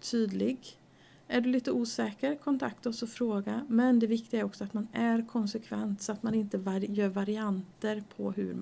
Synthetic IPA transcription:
t̪ʰyːd̪lɪɡ | æɖɵliːt̪əuːsɛːkəɾkʰɔnt̪ʰak̚t̪ɔsɔfɾoːɡamɛnd̪ɛvɪkt̪ɪɡaæɾɔksɔat̪manæɾkʰɔnsɛkʰvɛ̰nt̪sɔat̪manɪnt̪əvajœːɾvaɾɪant̪əɾpʰɔ̰ɦɵ̰ɾm

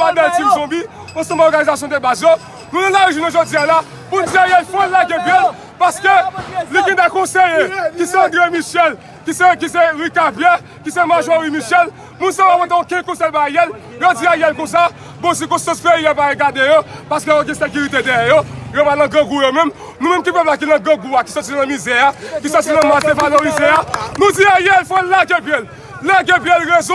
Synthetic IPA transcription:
ad̪ɛ̃ltĩmzɔ̃bi | õsɔ̃baɔʁɡanizasjɔ̃d̪ebazjo | nũnɛ̃laiʒunɔ̃ʒod͡ziala | mũnd͡ziajɛlfɔ̃ɛlaɡɛ̃bjɛl | paskelikɛ̃t̪akɔ̃sejekisɛãd̪ʁemiʃɛl | kisɛk̬isɛʁikapjɛ | kisɛmaʒowimiʃɛl | mũnsãwamɔ̃t̪̬ẽõkɛ̃kɔ̃sɛlbajɛl | jod͡ziajɛlkõs̬a | bõs̬ikõst̪ɐ̃spejiapajeɡad̪ejopaskøjoɡɛ̃sek̬yʁit̪ed̪ɛjɛjojopanɐ̃ɡɐ̃ɡujomɛ̃m | nũmɛ̃mkipœplak̬inɐ̃ɡɐ̃ɡuaki̥sɔtinɐ̃mizɛakisɔtinɐ̃mat̪ẽvaloɣizeanũd͡ziajɛlfɛ̃laɡebjɛl | laɡepjɛlʁez

